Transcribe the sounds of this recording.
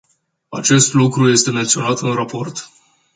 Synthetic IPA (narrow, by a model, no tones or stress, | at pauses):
at͡ʃe̞st̪lukɾuje̞st̪e̞me̞nt̪sio̞nat̪ɨnɾapo̞rt̪